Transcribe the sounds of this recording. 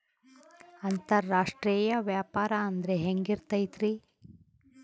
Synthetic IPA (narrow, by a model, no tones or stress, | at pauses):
ɐnt̪ɐɾːaːʂʈɾiːjɐʋjaːpaːɾɐɐnd̪ɾeɦeŋɡiɾt̪ɐjt̪ɾi